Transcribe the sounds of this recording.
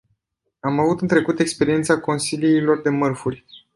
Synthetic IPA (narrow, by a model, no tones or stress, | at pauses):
amavut̪ɨnt̪ɾe̞kut̪e̞kspe̞ɾie̞nt̪sako̞nsiliːlo̞rd̪e̞mərfurʲ